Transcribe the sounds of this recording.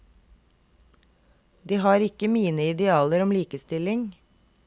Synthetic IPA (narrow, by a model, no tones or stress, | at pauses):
d̪iːhɑːɾɪkəmiːnəɪd̪ɛɑːləɾɔmliːkəst̪ɪlɪŋ